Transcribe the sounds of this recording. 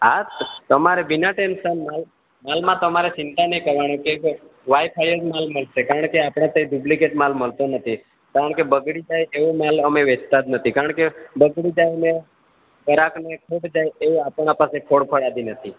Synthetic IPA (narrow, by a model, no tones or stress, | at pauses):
at̪t̪əmaɾebinaʈenʃənmal | malmãt̪əmaɾet͡ʃɪnt̪anəɦikəɾʋaɽ̃ekek | ʋajpʰajəd͡ʒmalməlsekaɾəɳkeapɽ̃ãt̪eɖublikeʈmalməlt̪onət̪ʰi | kaɾəɳkebəɡɽid͡ʒajeʋumaləmeʋet͡ʃt̪ad̪nət̪ʰikaɾəɳkebəɡɽid͡ʒajəme | kəɾaknekʰoɽd͡ʒajeʋũapəɳapasekʰoɽpʰəɽad̪inət̪ʰi